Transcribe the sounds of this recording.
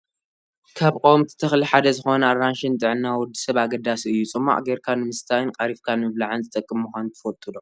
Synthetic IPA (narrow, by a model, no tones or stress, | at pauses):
kʰaβkʼowmt̪ʰi̥t̪ʰɨxliħad̪ɐzɨxo̞nɐaɾanʃɪnt̪ʼɨʕɨnːawɔd̪isɐβaɡɐd̪asiɨjːut͡sʼɨmːa̰ʔʼɡeɾkʰanɨmɨst̪ʰajɨnkʼɐɾifkʰanɨmɨβlaʕɨnzɨt̪ʼɐkʼːɨmmɨxʷant̪ʰɨ̥fot̪ʼud̪o